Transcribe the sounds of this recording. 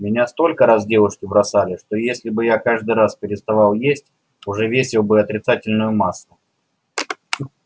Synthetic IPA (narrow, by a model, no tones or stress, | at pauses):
mʲɪnʲast̪o̞lʲkəɾazdʲe̞vʊʂkʲɪbɾɐsalʲɪʂt̪o̞jesʲlʲɪbɨjakaʐd̪ɨɾaspʲɪɾʲɪst̪ɐvalˠjesʲtʲ | ʊʐɛvʲesʲɪlˠbɨɐt̪ɾʲɪt̪satʲɪlʲnʊjʊmasːˠʊ